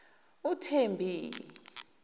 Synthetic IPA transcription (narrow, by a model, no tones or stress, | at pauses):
utʰembʱiːli